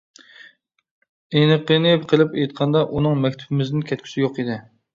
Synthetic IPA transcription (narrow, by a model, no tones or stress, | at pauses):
enɨqənɪqʰəlˠpejt̪̚qʰɑnd̪ɑʔunɨŋmɛkʲt̪ʰubɪmɪznɪnkʲʰɛt̪̚kʲʰy̥sijoqid̪ɪ